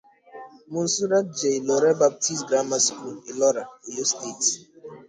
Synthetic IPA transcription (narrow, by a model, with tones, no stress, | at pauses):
mʊ̃˨n̩˦su˦ɾa˦t̚d͡ʒe˨i˨lɔ˨ɾɛ˦ba˨p̚ti˦sɡɾa˦ma˦sku˦˨lɪ˨lɔ˦ɾa˨e˨jo˦ste˦˨t